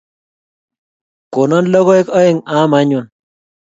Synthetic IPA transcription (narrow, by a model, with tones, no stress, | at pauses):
ko˨nɔ˦nlɔ˦ɣɔ˦e˦kɔ˦e˦˨ŋa˨˦ma˦ɲu˨n